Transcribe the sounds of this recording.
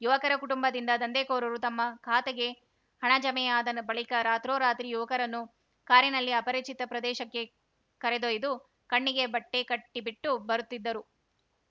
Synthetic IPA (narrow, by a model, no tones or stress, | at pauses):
juʋɐkɐɾɐkuʈumbɐd̪ind̪ɐd̪ɐnd̪eːkoːɾɐɾut̪ɐmːɐkʰaːt̪eɡe̞ | hɐɳɐd͡ʒɐmɛjaːd̪ɐnɐbɐɭikɐɾaːt̪ɾoːɾaːt̪ɾijuʋɐkɐɾɐnːu | kaːɾjinɐlːiɐpɐɾiːt͡ʃit̪ɐpɾɐd̪ɛːʃɐkːe̞ | kɐɾed̪oːjd̪u | kɐɳːiɡe̞bɐʈːekɐʈːibiʈːubɐɾut̪ːid̪ːɐɾu